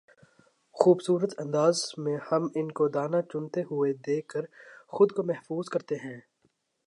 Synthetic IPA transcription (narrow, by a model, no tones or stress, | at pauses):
xuːbsuːɾət̪ɐ̃nd̪aːzmẽhɐmɪnkod̪aːnat͡ʃʊnt̪eɦʊed̪eːkːəɾxʊd̪komɛɦfuːzkɐɾt̪eɦɛ̃ː